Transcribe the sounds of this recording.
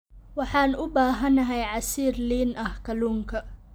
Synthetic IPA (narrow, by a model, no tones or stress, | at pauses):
wɑħɑːnʊbaːɦɐnɐɦɛjʕɑsiːrliːnɐhkʰɐluːŋkʰɐ